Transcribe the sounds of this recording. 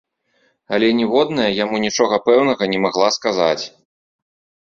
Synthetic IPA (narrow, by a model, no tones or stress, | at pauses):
ɐlʲɛnʲɛvɔd̪nɐjɐjamunʲit͡ʂɔɣɐpɛwnɐɣɐnʲɛmaɣlˠaskaza̰t͡sʲ